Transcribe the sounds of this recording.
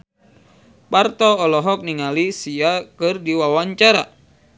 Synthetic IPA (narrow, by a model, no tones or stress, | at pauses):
part̪ɔːlɔɦɔk̚niŋalisiakɨrdiwawaɲt͡ʃaɾa